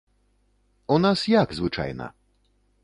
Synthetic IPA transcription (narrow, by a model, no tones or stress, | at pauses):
unasjaɡzvɨt͡ʂa̰jnɐ̰